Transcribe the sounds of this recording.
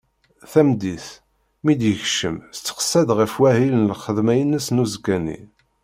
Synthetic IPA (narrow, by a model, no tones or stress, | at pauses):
θæmd̪iθ | mid̪jəçʃəmst͡sːə̥χə̥sːæd̪ʁəfwæhilənlχəðmæjənːəsnuzkːænḭ